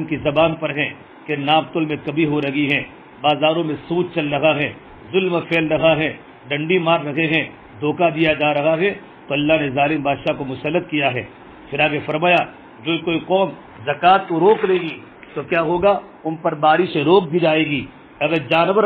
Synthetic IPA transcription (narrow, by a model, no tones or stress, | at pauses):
nkizɐbaːnpɐɾɦɛ̃ | kenaːb̚t̪ʊlmẽkɐbʱiɦoɾɐɦiɦɛ̃ː | baːzaːɾõmẽsuːt̪̚t͡ʃɐlɾɐɦaɦɛ̃ː | zʊlmfʰeːlɾɐɦaɦɛ̃ | ɖɐ̃ɳɖimaːɾːɐɦeɦɛ̃ | d̪ʱoːkad̪ijad͡ʒaːɾɐɦaɦɛ̃ | t̪oɐlːaɦnezaːlɪmbaːd̪ʃakomʊsəlːət̪̚kijaɦɛ̰ː | pʰɪɾaːɡefɐɾmaːja | d͡ʒoːikoːiqɔːm | zɐkaːt̪koɾoːkɾeːɡiː | t̪okjaːɦoːɡa | ʊnpɐɾbaːɾiʃeɾoːk̚bʱid͡ʒaːeːɡiː | ɐɡəɾd͡ʒaːnbə